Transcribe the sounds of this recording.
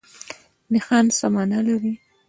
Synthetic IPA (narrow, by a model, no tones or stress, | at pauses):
nɪxɑnsamɑnalaɾi